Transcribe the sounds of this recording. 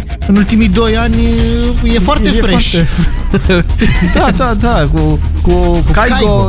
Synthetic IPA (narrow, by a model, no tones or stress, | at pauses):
ɨnult̪imid̪ojanʲjɛfoarefɾeʃefɾ | d̪ad̪at̪aku | kukajko